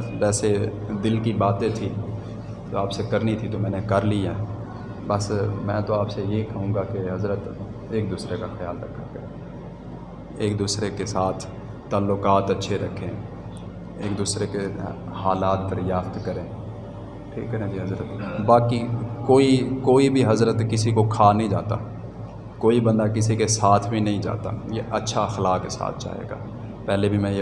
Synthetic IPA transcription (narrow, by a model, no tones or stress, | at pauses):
d͡ʒɛːsed̪ɪlkibaːt̪ẽt̪ʰi | t̪o̰aːpsekɐɾnit̪ʰit̪omɛ̃ːnekɐɾliɛː | bɐsmɛ̃ːt̪oaːpsejeɦikɐɦũːɡakeɦɐzɾət̪ | eːk̚d̪uːsɾekaxɪjaːlɾɐkʰːakɐɾẽː | eːk̚d̪uːsɾekesaːt̪ʰ | t̪ːaːlːʊkaːt̪ɐtːʃʰeɾɐkʰːẽ | eːk̚d̪uːsɾekehaːlaːt̪̚d̪əɾjaːft̪kəɾẽː | ʈʰḭːkːəɾẽːd͡ʒiɦəzɾət̪baːkikoːikoːibʱiɦɐzɾət̪kɪsikokʰaːnəɦĩd͡ʒa̰ːt̪a̰ː | koːibə̃nd̪akɪsikesaːt̪ʰbʱinɐɦĩd͡ʒa̰ːt̪a̰ːjeːʔətːʃʰaxlaːkkːesa̰ːt̪ʰt͡ʃa̰ːɦḛːɡa̰ː | pɛːlebʱimɛ̃ːj